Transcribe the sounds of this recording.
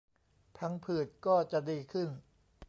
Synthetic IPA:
t̪ʰa˧ŋpʰɯː˨˩t̪̚kɔː˥˩t͡ɕa˨˩ʔdiː˧kʰɯ˥˩n

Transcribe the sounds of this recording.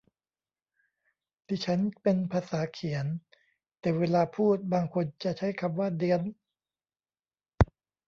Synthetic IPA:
d̪iː˧t͡ɕʰa˦˥npe˧npʰaː˧saː˩˦kʰi˩˦ən | t̪ɛː˨˩weː˧laː˧pʰuː˥˩t̪̚baː˧ŋkʰo˧nt͡ɕa˨˩t͡ɕʰa˦˥jkʰa˧mwaː˥˩dɯ˧ən

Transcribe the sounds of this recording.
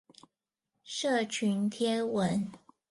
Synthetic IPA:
ʂɤ˥˨˩t͡ɕʰy˨˦nt̪ʰjɛ˥nwə˧˦n

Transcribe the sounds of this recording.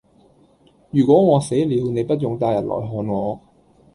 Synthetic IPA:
jyː˨˩kʷɔː˨˥ŋɔː˨˧se˨˥jliː˨˧wne˨˧jpɐ˥t̚jʊ˨ŋt̪aː˧jɐ˨t̚lɔ̰ː˨˩jɦɔː˨˧nŋɔː˨˧

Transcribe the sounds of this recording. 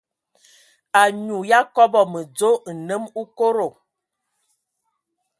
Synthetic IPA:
a˨ɲu˨ja˦kɔ˦bɔ˨mə˨d͡zo˦˨nə˦mu˦ko˦ɾo˨

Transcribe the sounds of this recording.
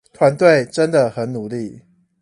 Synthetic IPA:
t̪ʰwa˨˦nt̪we˥˨ɪʈ͡ʂə˦nd̪ə˨xə˨˦nnu˨˩˦li˥˩

